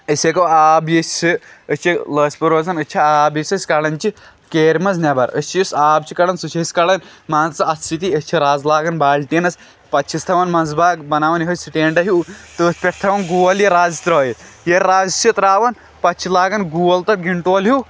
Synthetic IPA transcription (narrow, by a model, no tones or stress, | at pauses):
əsʲekɐaːbjɐsʲiəst͡ʃʰilɐːspɐɾoːzɐnɐt͡ʃʰiaːbjɐsʲɐsʲkalɐnt͡ʃi | keːɾmɐz̬nɐbɐɾə̰sʲt͡ʃiɐsaːbt͡ʃikɐlɐnsut͡ʃʰisʲkɐlɐnmaːnt͡sɐɐt̪sit̪iɐt͡ʃʰiɾaːd͡zlaːɡɐnbaːlʈ̪inɐs | pɐtt͡ʃʰist̪ʰɐʋɐnmaːnzbaːɡbɐnaːʋɐniɦɐsiʈeːɳɖɐɦit̪ɨːsʲpʲɐʈʰt̪ʰɐʋɐnɡuːʋɐljeɾaːd͡zit̪ɾoːji | jeɾaːzsit̪ɾaːʋɐn | pɐtt͡ʃʰilaːɡɐnɡuʋɐlt̪ɐɾɡiɳʈoːlɦuː